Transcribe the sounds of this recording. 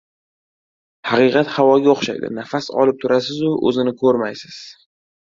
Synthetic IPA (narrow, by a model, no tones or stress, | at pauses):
hɑqɨqɑt̪havɒɡʲaoχʃa̰jd̪ɪ̰nafasɒ̰lɪp̚t̪ʰʊɾasɪzʊʔɵ̰zɪnɪkʰɵɾmajsɪz̥